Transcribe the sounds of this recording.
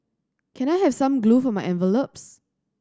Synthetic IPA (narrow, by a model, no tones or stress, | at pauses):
kʰɛ̃naɪɦɛv̥sãmɡlufɔmaɪʔɛ̃nvəlops